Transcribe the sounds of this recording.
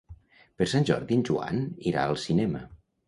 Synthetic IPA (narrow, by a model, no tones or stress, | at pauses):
pəɾsanʲʒɔ̰ɾðinʲʒua̰niɾa̰əlˠsinɛmə